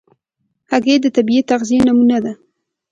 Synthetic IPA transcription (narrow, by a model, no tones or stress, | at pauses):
haɡed̪ət̪abiet̪aɣzijenamunad̪a